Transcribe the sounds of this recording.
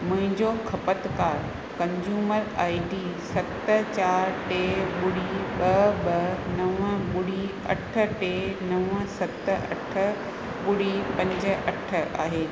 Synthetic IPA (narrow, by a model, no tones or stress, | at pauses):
mʊ̃ɦɪ̃ɲd͡ʑokʰɐpət̪kaːɾ | kɐ̃ɲd͡ʑuːməɾaːɪɖiːsɐt̪ə̆t͡ɕaːɾʈeːɓʊɽiɓɐɓɐnɐʋəɓʊɽi | ɐ̰ʈʰə̆ʈeːnɐʋə̃sɐt̪əɐ̰ʈʰə̆ | ɓʊɽipɐ̃ɲd͡ʑə̆ɐʈʰə̆aːɦeː